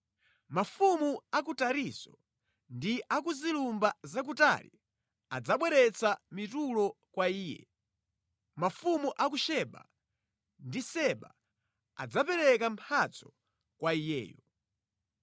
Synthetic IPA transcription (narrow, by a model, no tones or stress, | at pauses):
mafumuakutaɾisɔ | ndiʔak̬uzilumbazak̬uta̰lḭ | a̰d͡zaɓwɛɾɛt͡samitulɔkwaiːjɛ̰ | mafumuʔakuʃɛɓa̰ | ndisɛɓa | a̰d͡zapɛɾɛkam̩pʰat͡sʰɔ̥ | kwaijɛ̰ːjɔ